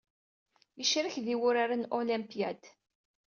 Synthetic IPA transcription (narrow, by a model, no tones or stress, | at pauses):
jəʃɾəçðiwʊɾaɾanolimpjad̪